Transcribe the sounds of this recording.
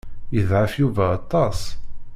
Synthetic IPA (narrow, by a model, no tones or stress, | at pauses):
jəðʕafjuvæːt̪ˤːɑs